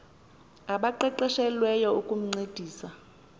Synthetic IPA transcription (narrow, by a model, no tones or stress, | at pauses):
aɓaǃɛǃɛʃɛlwɛjɔukʼum̩ŋ͡ǀed̥ʱiːsa